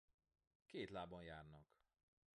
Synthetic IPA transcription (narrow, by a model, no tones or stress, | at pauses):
keːt̪laːbɒnjaːrnɒk